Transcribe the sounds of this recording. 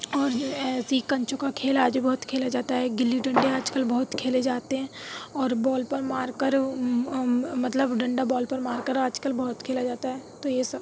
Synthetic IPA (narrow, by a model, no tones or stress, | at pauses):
ɔːɾsiːkɐ̃ɲt͡ʃõkakʰeːlaːd͡ʒibɐɦʊt̪kʰeːlad͡ʒaːt̪aɦɛɡɪlːiɖɐ̃ɳɖeaːd͡ʒkəlbɐɦʊt̪kʰeːled͡ʒaːt̪eɦɛ̃ːɔːɾbɔːlpɐɾmaːɾkəɾ | mɐt̪ləbɖɐ̃ɳɖabɔːlpɐɾmaːɾkəɾaːd͡ʒkəlbɐɦʊt̪kʰeːlad͡ʒaːt̪aɦɛːt̪ojesɐb